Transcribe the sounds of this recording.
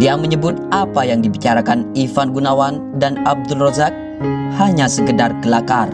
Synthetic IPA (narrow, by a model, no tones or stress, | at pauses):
diaməɲəbʊt̪̚apajaŋdibit͡ʃaɾakanifanɡunawan | danab̚dulrɔzak̚ | haɲasəkədarkəlakar